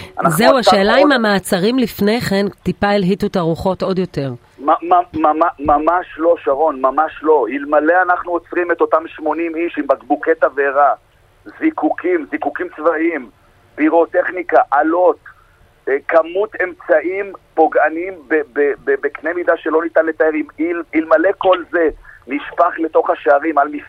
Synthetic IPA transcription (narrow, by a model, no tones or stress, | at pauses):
a̰nazeuaʃe̞ːlaimhamaːt͡saʁimlifne̞jχe̞ntipaelɦitutaʁuχo̞to̞djote̞ʁ | mamamamamamaʃlo̞ʃaʁo̞nmamaʃlo̞hilmaleanaχnuot͡sʁimet̪o̞tamʃmo̞nimiʃimbaɡbuket̪aveʁa | zikukimzikukimt͡svaʔim | biʁo̞t̪e̞χnikaʔalo̞t̪ | kamut̪e̞mt͡saʔimpo̞ɡanimbebebebekne̞mid̪aʃe̞lo̞nit̪anlet̪aeimililmale̞ko̞lze̞niʃpaχle̞t̪o̞χaʃeaʁimalmif